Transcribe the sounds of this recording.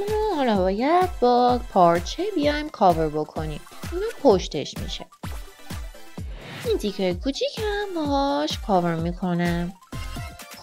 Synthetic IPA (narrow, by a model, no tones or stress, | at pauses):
unohɒlɒːbɒːjæd̪̥̚bɒːpʰɒɾt͡ʃʰebijɒjmkʰɒːveɾbo̞kʰo̞nḭːminɒːpʰoʃt̪ḛʃmḭʃḛ | ind̪ʰikejkʰuːt͡ʃʰicʰæmbɒɦɒʃkʰɒːveɾmikʰo̞næm